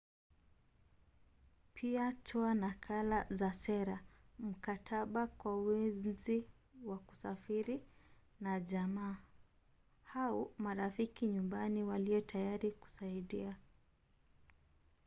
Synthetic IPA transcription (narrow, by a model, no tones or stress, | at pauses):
pʰiatʰɔanakʰalazasɛɾam̩katʰaɓakwauwɛzi | waku̥safiɾi | naʄamaː | haumaɾafikiɲumbaniwaliɔtʰajaɾiku̥saiɗia